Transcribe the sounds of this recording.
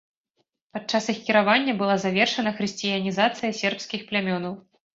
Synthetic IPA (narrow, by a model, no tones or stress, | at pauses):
pat͡ʂasixkʲiɾavanʲːɐbɨlˠazavʲɛrʂɐn̪ɐxɾɨsʲt͡sʲijɐnʲizat̪sɨjɐsʲɛrpskʲixplʲamʲɔnɐw